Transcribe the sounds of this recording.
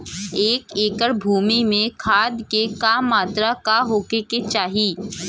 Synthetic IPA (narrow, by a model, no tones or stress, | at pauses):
eːkeːkəɾbʱuːmimẽkʰaːd̪kekaːmːaːt̪ɾakaɦoːkeket͡ʃaːɦi